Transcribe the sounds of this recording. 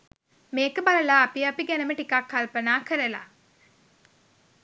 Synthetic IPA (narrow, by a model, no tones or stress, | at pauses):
meːkəbɐɾɐlaːpiɐpiɡenəməʈikakːɐlpɐnaːkəɾɐla̰